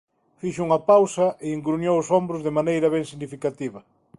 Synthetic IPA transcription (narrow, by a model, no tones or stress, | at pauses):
fiʃuŋɐpawsɐʔeiŋɡɾunjowʊsombɾʊzðɪmanejɾɐβɛŋsiɣnifikat̪iβɐ